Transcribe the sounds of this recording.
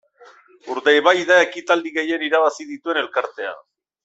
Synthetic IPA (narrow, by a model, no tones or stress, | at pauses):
uɾd̪ejβajðae̞kit̪ald̪iɣe̞je̞niɾaβasið̞it̪ue̞ne̞lkaɾt̪e̞a̰